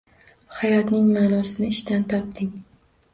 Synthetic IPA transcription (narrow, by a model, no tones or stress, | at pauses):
hajɒt̪nɪŋmaːnɒsɪnɪɪʃt̪ant̪ʰɒp̚t̪ɪŋ